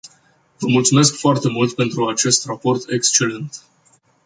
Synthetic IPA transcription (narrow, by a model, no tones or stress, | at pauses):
vəmult̪sume̞skfoart̪e̞mult̪pe̞nt̪ɾuat͡ʃe̞st̪rapo̞rt̪ʰe̞kst͡ʃe̞le̞nt̪